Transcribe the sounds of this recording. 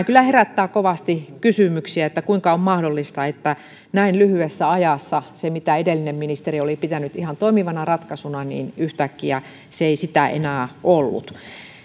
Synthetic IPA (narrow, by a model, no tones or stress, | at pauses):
kylːˑæheræt̪ːæːkoʋɑst̪ikysymyksiæet̪ːækuiŋkɑommɑhdolːist̪ɑet̪ːæ | næinlyhyesːæɑjɑsːɑsemit̪æedelːinemminist̪eriolipit̪ænyt̪ihɑnt̪oimiʋɑnɑrɑt̪kɑsunɑnḭːnyht̪ækːiæ | seeisit̪æḛnæːʔolːṵt̪